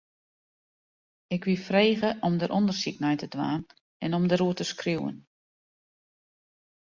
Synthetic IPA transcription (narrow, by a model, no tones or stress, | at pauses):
ɪkʋifreːɣəʔɔmdəɾʔɔndərsik̚nɛjtədʋa̰ːn | ɛnɔmdəɾuətəskriwə̰n